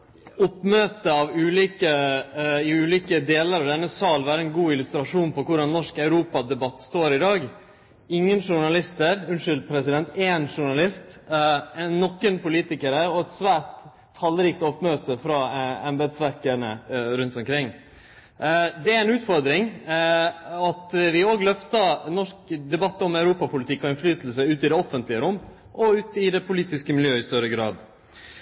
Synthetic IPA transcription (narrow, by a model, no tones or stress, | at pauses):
ɔpːmøːt̪əɑʋʉːliːkə | ɪʉːliːkəd̪eːləɾɑʋd̪ɛnːəsɑːlʋæːɾəɛnɡuːɪlʉst̪ɾɑʂuːnpɔkʰʊɾɑnnːɔʂkɑʉɾuːpɑd̪ɛbɑt̪ːst̪oːɾɪd̪ɑːɡ | ɪŋːənʂʊɳɑlɪst̪əɾʉnʂʏld̪pʰɾɛsɪd̪ɛnt̪eːnʂʊɳɑlɪst̪ɛnːɔkːənpʰʊliːt̪ɪkəɾəɔɛt̪sʋæːt̪ʰː | ɑlɾiːkt̪ɔpːmøːt̪əfɾɑɛmbɛd̪sʋæɾkəɳəɾʉnt̪ɔmkʰɾɪŋː | d̪ɛæɾɛnʉːt̪fɔɾd̪ɾɪŋ | ɑt̪ʋɪoːɡlœft̪ɑnɔʂkd̪ɛbɑt̪ːɔmæʉɾuːpɑpʰʊlɪt̪ʰɪkːɔɪnflyːt̪ʰəl̩səʉːt̪ɪd̪ɛɔfənt̪lɪəɾʊmː | ʔɔʉːt̪ɪd̪ɛpʰʊliːt̪ɪskəmɪljøːɪst̪œɾəɡɾɑ̰ːd̪